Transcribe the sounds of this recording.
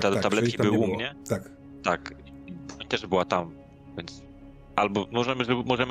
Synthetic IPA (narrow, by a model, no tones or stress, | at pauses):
t̪at̪ablɛtkʲibɘwumɲɛa | t̪akibɔɲt̪ɛʐbɘwat̪am | vʲjɛnt̪s | ʔalbɔmɔʐɛmɘʐɛbmɔʐɛm